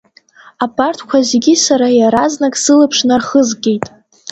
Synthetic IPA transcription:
apʰʼartʰkʷʰazeɡʲisaɾajaɾaznakʼsɨlɨpʰʂnarχəzɡʲʼe̞jtʼ

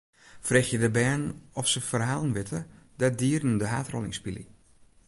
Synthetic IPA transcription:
freːxjədəbɛːnɔfsəfərɦaːlˠənʋɪtʰədadiərn̩dəɦa̰ːtro̰lɪ̰ŋspilḭ

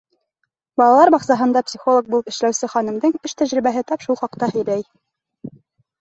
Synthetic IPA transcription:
bɑlˠɑlˠɑɾbɑχsɑɦɤ̆nd̪ɑpsʲiχo̞lˠok̚bulˠɤpɘ̆ʃlæwsɘχɑnɤ̆md̪ɤɴɘʃt̪æʑɾiβæɦɘt̪ɑpʃulˠχɑqt̪ɑhɘ̆jɾæj

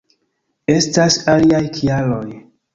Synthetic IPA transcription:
e̞stasaliajkʰialoj

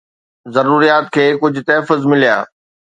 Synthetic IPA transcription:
zɐɾuːɾijaːt̪̚kʰeːkʊd͡ʑʱʊ̆t̪ɛːfəzmɪlija̰ː

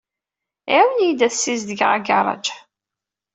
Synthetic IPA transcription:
ʕæwənjd̪æθsːizðəɡʁa̰ɡɑɾˤɑ̰d͡ʒ

